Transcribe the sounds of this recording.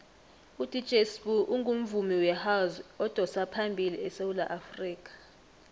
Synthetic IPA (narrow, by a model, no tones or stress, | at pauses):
udʱʼi̥t͡ʃʼesbuʔuŋɡʱum̩vumiwɛhawzɔd̥ʱɔsapʰambʱiliɛsewulaʔafriːk̬ʼḁ